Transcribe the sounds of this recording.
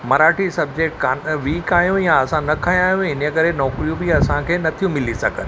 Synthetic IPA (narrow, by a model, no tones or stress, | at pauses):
mɐɾaːʈʰisɐb̚d͡ʑekʈkaʋiːkaːijũjaɐsãnɐkʰaj̃aːɦjũɪnkɐɾenɔːkɾijũbiɐsãkʰeːnɐt̪ʰijũmɪlisɐ̰ɡʱən